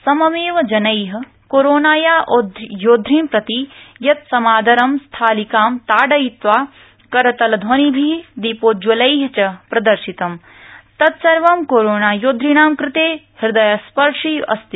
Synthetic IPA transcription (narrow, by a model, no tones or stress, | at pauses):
sɐmɐmeːʋɐd͡ʒɐnɐjɦɐ | koːɾoːnaːjaːʔod̪joːd̪ʱɾiːmpɾɐt̪ijɐt̪̚sɐmaːd̪ʱɐɾɐmst̪ʰaːlikaːmt̪aːɖɐit̪ʋaː | kɐɾɐt̪ɐlɐd̪ʱwɐnibʱid̪ipoːt̪̚d͡ʒɐlɐjɦɐt͡ʃɐpɾɐd̪ɐɾʃit̪ɐm | t̪ɐt̪sɐɾʋɐmkoːɾoːnaːjoːd̪ʱɾinaːmkɾɪt̪eːhiɾd̪ɐjaspɐɾʂiːɐ̰st̪i